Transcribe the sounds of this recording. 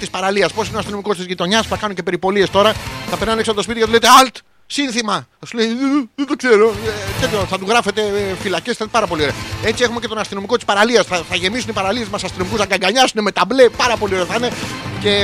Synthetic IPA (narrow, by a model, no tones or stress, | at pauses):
t̪ispɐɾɐliɐsposineoɐst̪ino̞miko̞st̪izʝit̪o̞ɲɐspuθɐkɐnuɲce̞pe̞ɾipo̞lie̞st̪o̞ɾɐθɐpe̞ɾnɐnksɐpot̪spit̪icɐt̪uleit̪eɐlt̪ | sinθimɐθɐsuleiðet̪okse̞ɾo̞et̪et̪oθɐt̪uɣɾɐfe̞t̪e̞filɐcesθɐnt̪pɐɾɐpo̞lio̞ɾeɐe̞t͡sie̞xumecet̪o̞nɐst̪ino̞mikot̪i̥spɐɾɐliɐsθɐθɐʝe̞misunipɐɾɐlie̞zmɐsɐst̪ino̞mikusɐɡɐŋɡɐɲɐsuneme̞t̪ɐmble̞pɐɾɐpo̞lioeɐθɐinece̞